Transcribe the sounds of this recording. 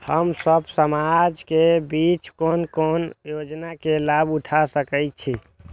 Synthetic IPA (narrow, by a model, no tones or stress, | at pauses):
həmsəbsəmad͡ʒkebit͡ʃkonkonjod͡ʒnakelabuʈʰasəkəjt͡ʃʰi